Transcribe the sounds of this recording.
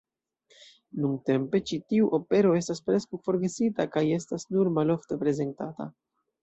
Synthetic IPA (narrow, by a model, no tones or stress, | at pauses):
nuŋte̞mpe̞t͡ʃitiuʔo̞pe̞ɾo̞e̞staspɾe̞skawfo̞ɾɡe̞sitakaje̞stasnuɾmalo̞fte̞pɾe̞ze̞ntata̰